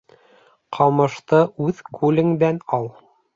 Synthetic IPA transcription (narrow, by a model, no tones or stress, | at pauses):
qʰɑmɤ̆ʃt̪ɤʔʉðkʰʉlɘŋb̪ænɑlˠ